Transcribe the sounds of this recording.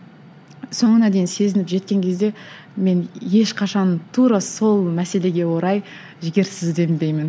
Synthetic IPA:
so̞ɴənɑd̪e̞jɪnse̞zɪnɪpʒe̞t̪̚kʲe̞ŋkʲʰe̞zd̪e̞ | me̞nje̞ʃqʰɑʃɑnt̪ʰuɾɑso̞lˠmæse̞le̞ɡʲe̞wo̞ɾɑj | ʒɪɡʲe̞ɾsɪzd̪e̞bd̪e̞jmɪn

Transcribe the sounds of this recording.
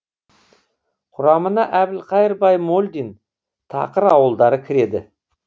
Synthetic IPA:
qʰʊɾɑmənɑʔæbɪlqʰɑjəɾbɑjmolʲd̪in | t̪ʰɑ̰qəɾɑwəlˠd̪ɑɾəkʲʰɪɾe̞d̪ɪ̰

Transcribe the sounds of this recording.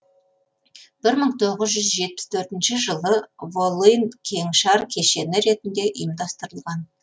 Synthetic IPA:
b̥ɪɾməɴt̪ʰo̞ʁəzʒʏzʒe̞t̪̚pɪ̥st̪ʰɵɾt̪ɪnʃɪʒəlˠəvolˠijnkʲʰe̞ŋʃɑɾkʲʰe̞ʃe̞nɪɾe̞t̪ɪnd̪e̞ʔəjəmd̪ɑst̪əɾəlˠʁɑn

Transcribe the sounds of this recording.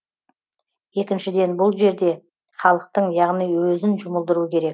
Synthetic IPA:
je̞kʲɪnʃɪd̪e̞nbʊlˠʒe̞ɾd̪e̞ | χɑlˠəq̚t̪əɴjɑʁnijwɵzɪnʒʊməlˠd̪əɾuəkʲʰe̞ɾe̞k̚

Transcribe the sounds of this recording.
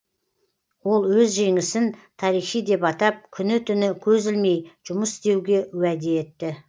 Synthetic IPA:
wo̞lˠwɵzʒe̞ŋɪsɪnt̪ʰɑɾijχijd̪e̞pɑt̪ɑp̚kʲʰʏnɪt̪ʰʏnɪkʲʰɵzɪlme̞jʒ̥ʊməst̪e̞wɡʲe̞wæd̪e̞ːt̪ːɪ

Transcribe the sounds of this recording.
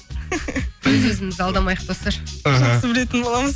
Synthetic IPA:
ɵzwɵzɪmɪzɑlˠd̪ɑmɑjəq̚bost̪ɑɾaʒɦɑaəbɪle̞t̪ɪnbolˠɑməz

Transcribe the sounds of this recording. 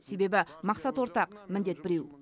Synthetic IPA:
se̞be̞bɪmɑqsɑt̪wo̞ɾt̪ɑqmɪnd̪e̞t̪̚bɪɾe̞w

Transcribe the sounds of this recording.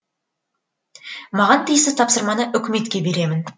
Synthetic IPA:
mɑʁɑnt̪ʰijsɪzt̪ʰɑpsəɾmɑnəʔʏkʲɪme̞t̪kʲe̞be̞ɾe̞mɪn

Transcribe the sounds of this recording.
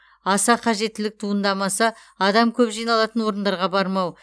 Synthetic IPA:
ɑsɑqʰɑʒe̞t̪ːɪlɪk̚t̪ʰuənd̪ɑmɑsɑ | ɑd̪ɑmkʲʰɵpʒijnɑlˠɑt̪ənwo̞ɾənd̪ɑɾʁɑbɑɾmɑw

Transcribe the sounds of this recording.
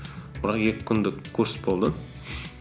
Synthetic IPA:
b̥ɪɾɑqjekʲɪ̥kʲʰʏnd̪ɪkʰːɵɾsbo̞lˠd̪ə

